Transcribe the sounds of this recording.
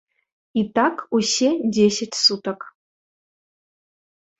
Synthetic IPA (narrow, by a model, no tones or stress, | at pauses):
itʰakʰuɕedʲeɕʲɐtʲsutʰɐk